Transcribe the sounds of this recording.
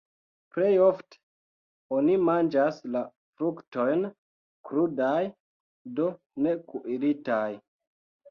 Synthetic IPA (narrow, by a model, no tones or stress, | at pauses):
pɾejofte̥ | onimand͡ʒasla | fɾukto̞jn | kɾudaj | do̞ | ne̞kuʔiɾitaj